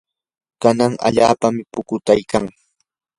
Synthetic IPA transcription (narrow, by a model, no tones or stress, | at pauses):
kanaŋa̰ʎaːpamɪpʊkʊt̪ajkaŋ